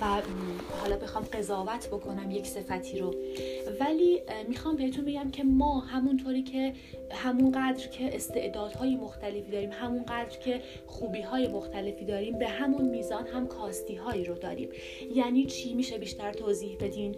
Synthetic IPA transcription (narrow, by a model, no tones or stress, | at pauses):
væ | hɒːlɒːbe̞xɒːmɢe̞zɒːvæt̪ʰbo̞kʰo̞næmje̞cse̞fæt̪ʰiːɾovæliːmixɒːmbehet̪unbe̞ɡæmcʰe̞mɒːhæmunt̪ʰoːɾiːcʰe̞ | hæmunɢæd̪ɾcʰe̞ʔest̪e̞ʔd̪ɒːd̪hɒːjemo̞xt̪ʰæle̞fiːd̪ɒːɾiːmhæmunɢæd̪ɾcʰe̞ | xuːbiːɦɒːje̞mo̞xt̪ʰæle̞fiːd̪ɒːɾiːmbe̞ɦæmunmiːzɒːnɦæmkʰɒːst̪iːɦɒːiɾod̪ɒ̰ːɾḭːm | jæːniːt͡ʃʰiːmiːʃe̞biːʃt̪æɾt̪ʰoːziːhbe̞d̪iːn